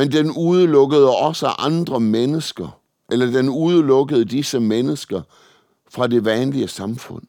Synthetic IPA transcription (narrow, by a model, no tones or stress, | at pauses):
mend̥enuð̞ˠəlɔ̽ɡ̥əð̞ˠəɒ̽səʔɑ̈nd̥ʁɐmenəsɡ̥ɐ | ʔelɐd̥enuð̞ˠəlɔ̽ɡ̥əð̞̩ˠəd̥isəmenəsɡ̥ɐ | fʁɑ̈d̥e̝ʋænliəsɑ̈mfɔ̽n̰